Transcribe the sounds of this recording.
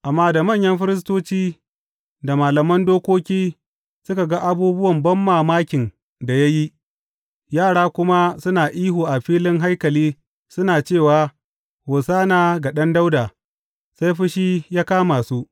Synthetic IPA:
ʔa˨mːaː˦da˨mɐ˦˨ɲjɐ˦mɸɪ˦ɾɪ˦s̬toː˦t͡ʃiː˦ | da˨maː˨lɐ˨mɐ˦ndoː˦kʷoː˦kʲiː˦ | sʊ˦ka˨ɡa˦ʔa˦buː˦bʊ˦wɐ˨mbɐ˦mːaː˨maː˦kʲɪ˨n | da˨ja˦ji˦ | jaː˦˨ɽaː˦kʷʊ˦ma˦sʊ˦naː˨ʔiː˦ɦuː˨ʔa˨ɸiː˦lɪ˦ŋɦa˦jkɐ˨liː˦ | sʊ˦naː˨t͡ʃeː˦˨waː˨ | hoː˨saː˦naː˨ɡa˨ɗɐ˦nda˦wdaː˨ | sa˦jɸɪ˦ʃiː˦jaː˦kaː˦maː˨suː˦ʔ

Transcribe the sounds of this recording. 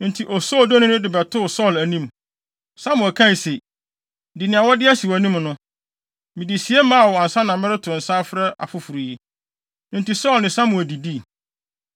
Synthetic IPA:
nɪ̃˦n̩˨tʰi˨ʔɔ˨sɔː˦ldɔ˦nʊ̃˦nʊ̃˦dɪ˨bɛ˨tʰʊ˦˨sɔ˦˨læ˨nĩ˦m | sã˦mʊ̃˨æ˨kʰã˦˨se˨ | di˨nɪ̃˨a˨wɔ˦dɪ˦æ˦si˨wæ˨nĩ˦mnʊ̃˦ | mĩ˨di˨si˨ɛ˦mã˦a˨wɔ˨a˨n̩˨sa˦nã˨mɪ˦ɾɪ˦tʰʊ˨n̩˨sa˦fɾɛ˦ʔa̰˨fʊ˨fu˨ɾu˨ji˦ | nɪ̃˦n˨ti˨sɔ˦˨lnɪ̃˨sã˦mʊ̃˨æ˨di˨di˦˨

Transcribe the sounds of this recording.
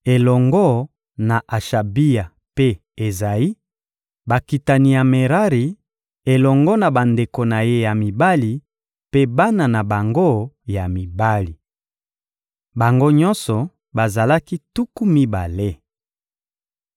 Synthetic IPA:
e˨lɔ˨ŋɡɔ˦ | na˨ʔa˨ʃa˨bi˦ja˨ | pe˦ | e˨za˨i˦ | ba˨ki˨ta˨ni˨ja˨me˨ʁa˦ʁi˨ | e˨lɔ˨ŋɡɔ˦na˨ba˨nde˨ko˨na˨je˦ja˨mi˨ba˦li˨ | pe˦ba˦na˨na˨ba˨ŋɡo˦ja˨mi˨ba˦li˨ | ba˨ŋɡo˦ɲɔ˦nsɔ˨ | ba˨za˨la˦ki˦tu˦ku˦mi˦ba̰˨le˦

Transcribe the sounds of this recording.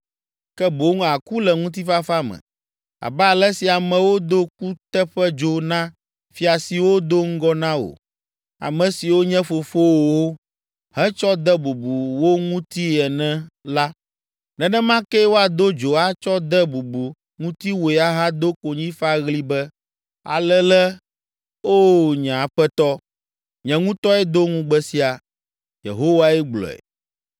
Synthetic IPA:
kɛ˦bo˨˦ŋ̃˦˨a˨ku˦lɛ˨ŋũ˦t̪̬i˦fa˦fa˦mɛ̰̃˨ | a̰˨bɛ˦a˨lɛ˦si˨a˨mɛ̃˨wo˦d̪o˦k̚u˦t̪ɛ˦ɸɛ˦d͡ʒo˦nã˦ | fi˨a˨si˨wo˦d̪o˦ŋ̩˦ɡɔ˦nã˦o̰˨ | a̰˨mɛ̃˨si˨wo˦ɲɛ̃˦fo˨fo˦wo˨wo˦ | hɛ̃˦t͡ʃɔ˦d̪ɛ˦bu˨bu˨wo˦ŋũ˦t̪i˦ɛ˨nɛ̃˦la˦ | nɛ̃˨nɛ̃˦mã˦kɛ˦wo˦a˨d̪o˦d͡ʒo˨a˦t͡ʃɔ˦d̪ɛ˦bu˨bu˨ | ŋũ˦t̪i˦wo˨a˦ɦã˦d̪o˦ko˨ɲĩ˦fa˦ɣli˦bɛ˦ | a̰˨lɛ˦lɛ˦ | o˦ɲɛ̃˨a˨ɸɛ˦t̪ɔ˦ | ɲɛ̃˨ŋũ˦t̪ɔ˦ɛ˦d̪o˦ŋũ˦ɡ͡bɛ˦si˦a˨ | jḛ˨ɦo˦wa˦ɛ˦ɡ͡blɔ̰˨ɛ̰˨

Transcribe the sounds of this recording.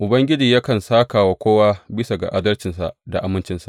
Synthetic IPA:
ʔʊ˨bɐ˦ŋɡʲɪ˦d͡ʒiː˨ja˦kɐ˨nsaː˦kaː˨wa˨kʷoː˦waː˦bɪ˦sa˨ɡa̰˨ʔa˦dɐ˦lt͡ʃɪ˨nsa̰˨ʔda˨ʔa˨mɪ˦nt͡ʃɪ˦nsḁ̰˨ʔ

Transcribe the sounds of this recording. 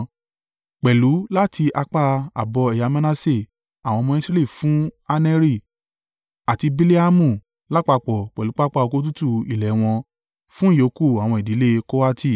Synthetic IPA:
k͡pɛ˨lu˨˦la˦ti˧ʔa˧k͡pa˧a̰˨bɔ˧ɛ˨ja˧mã˦na˦se˦˨ | a˨w̃ɔ̃˧mɔ̃˧i˦sɾe˦li˦˨fũ˦a˧nɛ˦ɾi˦˨ | a˨ti˧bi˧li˦a˦mũ˦˨ | la˦k͡pa˧k͡pɔ˨k͡pɛ˨lu˨˦k͡pa˦k͡pa˦˧o˧ko˧˦t̬u˦tu˦˧i˨lɛ˨˦w̃ɔ̃˧ | fũ˦jo˨˦ku˦˨a˨w̃ɔ̃˧i˨di˨˦le˦ko˦wa˦tʰi˦˨

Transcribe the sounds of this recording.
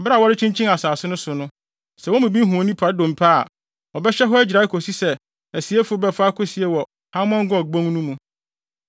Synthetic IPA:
ba˦˨wɔ˦ɾɪ˦t͡ɕʰĩ˦ɲt͡ɕʰĩ˦ŋa˨saː˨sɪ˦nʊ̃˦sʊ˨nʊ̃˦ | sɛ˨wɔ̃˦mũ˨bi˦ɦũ˨ɔ˨nĩ˦pʰa˨˦dõ˨m̩˨pʰa̰˦˨ | ɔ˨bɛ˦ɕɛ˦ɦɔ˦æ˦d͡ʑɾa˨ɪ˦kʰo˨si˦sɛ˨ | æ˨si˨˦e˦fʊ˨˦bɛ˦fa˦kʰʊ˦si˨ɛ˨˦wɔ˨ | hã˦mɔ̃˦ŋ˦ɡɔ̃˦˨ɡ͡bõ˦ŋnũ˦mũ˦

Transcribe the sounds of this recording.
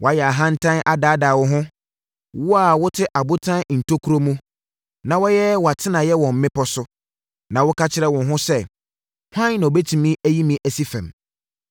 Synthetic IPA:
wɔ˨a˦jɛ˨a˨ɦã˦n̩˦tʰã˦nʔa˨daː˨˦daː˨wʊ˦ɦʊ̃˦ | wɔ˦a˨wʊ˦tʰɪ˦ʔa˨bʊ˦tʰã˦n˨n̩˨tʰo˦kʰu˦ɾo˦mũ˦ | nã˨wɔ˦jɛ˦wɔ˨a˨tʰɪ˦nã˨jɛ˦wɔ̃˨m̩˨˦mɪ̃˦pɔ˦sʊ˦ | nã˨wʊ˦kʰa˦t͡ɕʰɪ˦ɾɛ˦wɔ̃˨nɦʊ̃˦sɛ˦ | hʷã˦nã˨o˨be˦tʰi˨mĩ˦æ˦ji˦mĩ˦ʔæ˨si˦fɛ̰̃˨m

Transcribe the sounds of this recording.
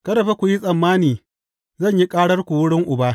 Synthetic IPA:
kɐ˦ɾɐ˨ɸe˦kʷu˨ji˦sʼɐ˨mːaː˦niː˨ | zɐ˦˨ɲji˦kʼaː˦ɽɐ˦rkʷu˨wʊ˦ɽɪ˦ŋʔʊ˨baː˦

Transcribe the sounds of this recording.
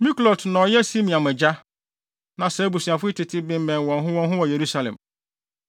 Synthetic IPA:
mĩ˦klɔ˨tnɔ̃˨jɛ˦si˦mĩ˨ã˨mɛ˨d͡ʑa˦ | nã˨sɛ˨˦bu˨si˨a˨fʊ˦i˦tʰɪ˨tʰɪ˦bɪ̃˦m˦mɛ̃˨nwɔ̃˨nɦʊ̃˦wɔ̃˨nɦʊ̃˦wɔ˨je˨ɾu˦sa˨lɛ̰̃˨m

